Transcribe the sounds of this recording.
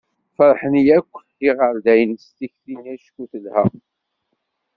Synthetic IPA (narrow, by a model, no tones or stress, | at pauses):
fəɾˤħənijækʷː | iʁəɾd̪æjənst̪içθinæʃkuθəlhæ̰